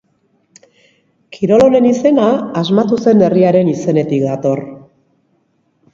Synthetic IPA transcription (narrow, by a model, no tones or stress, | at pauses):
kʰiɾo̞lo̞ne̞nise̞naːzmat̪use̞ne̞riaɾe̞nise̞ne̞t̪ik̚d̪at̪o̞r